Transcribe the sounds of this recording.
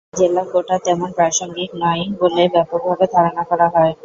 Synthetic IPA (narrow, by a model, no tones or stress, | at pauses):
d͡ʑelakoʈat̪ɛmonpɾaʃoŋɡiknajbolebɛpok̚bʱabed̪ʱaɾonakɔɾaɦɔe